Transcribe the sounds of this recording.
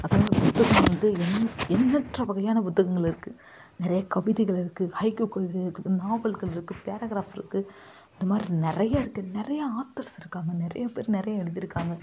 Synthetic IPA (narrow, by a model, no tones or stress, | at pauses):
ɐðaːʋðɐpʊt̪ːɐɣɐd̪ɯɛnɛnːɐʈrɐʋɐɣɐjaːnɐpʊt̪ːɐɣɐŋɡɐɭɪɾɯkːɯ | nɪɾɐjɐkɐʋɪðɪɣɐɭɪɾɯkːɯhɐɪkokɐʋɪðɐɾɯkːɯɯnaːbɐlɣɐɭɪɾɯkːɯpeːɾɐɣɾaːfɪɾɯkːɯ | ɪnd̪ɐmaːd̪ɾinɪɾɐjɐɪɾɯkːɯnɪrɐjɐaːt̪ːɐɾsɪɾɯkːaːŋɡɐnɪrɐ̰jɐpḛːɾnɪɾɐjɐɛɻɯðɪɾɯkːaːŋɡɐ